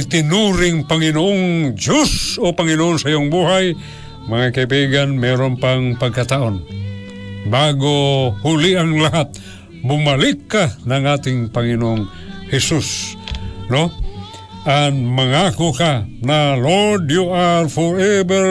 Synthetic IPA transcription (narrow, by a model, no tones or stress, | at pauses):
t̪ɪnuɾɪŋpaŋɪnooŋd͡ʒusopaŋinooŋsajoŋbuɦaj | maŋakaibiɡanmɛɾompaŋpaɡ̚kat̪aʔon | baɡohuliaŋlaɦat̪̚ | bʊmalikːanaŋat̪ɪŋpaŋinooŋ | hɛsus | no | aŋmaŋakokanalodjoʔalfoɾɛbɛ